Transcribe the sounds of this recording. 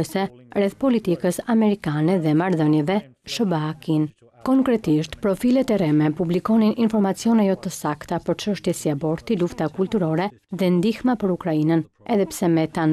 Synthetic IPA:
əsɛɾɛθpɔlit̪ikəsamɛɾikanɛðɛmaɾðənjɛvɛ | ʃəbaakin | kɔŋkɾɛt̪iʃt̪pɾɔfilɛt̪ɛɾɛmɛpublikɔninʔinfɔɾmat͡siɔnɛjɔt̪əsakt̪apəɾt͡ʃəʃt̪jɛsiabɔɾt̪iluft̪akult̪uɾɔɾɛ | ðɛnd̪ixmapəɾukɾainən | ɛðɛpsɛmɛt̪an

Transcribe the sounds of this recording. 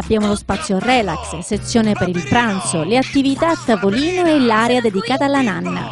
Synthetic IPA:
abːjaːmolospat̪sːjorɛlaksset̪sːjoːnepeɾilpɾant̪soleat̪ːivit̪at̪ːavoliːnoɛlːaɾead̪ed̪ikaːt̪alːananːa̰

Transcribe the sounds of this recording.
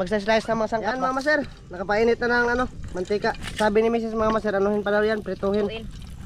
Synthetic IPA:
mɐɡ̚s̬as̬lajsnɐŋmɐŋasaŋkanmɐaamas̬ɛɾ | nɐkɐpaiːnɪt̪̚nanɐŋɐnomɐnt̪iːkaʔsaːbɪnɪmiːs̬ɪsmɐŋamasɛɾʔɐnohɪnpad̪awjanpɾɛt̪uːhɪn

